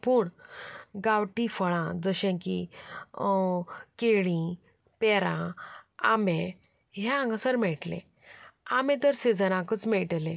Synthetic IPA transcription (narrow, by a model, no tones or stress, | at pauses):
puːɳ | ɡawʈifəɭãd͡zəɕẽkḭ | keɭĩ | pɛɾãa̰mẽ | ɦããŋɡəsəɾmɛɭʈlḛ̃ | amẽt̪əɾsed͡zənãkət͡smɛɭʈlẽ